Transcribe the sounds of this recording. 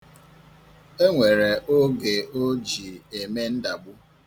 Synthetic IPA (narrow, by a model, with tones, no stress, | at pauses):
e˦ŋʷe˨ɾe˨ʔo˦ɡe˨o˦d͡ʒi˨e˨me˦n̩˦da˨ɡ͡bʊ˦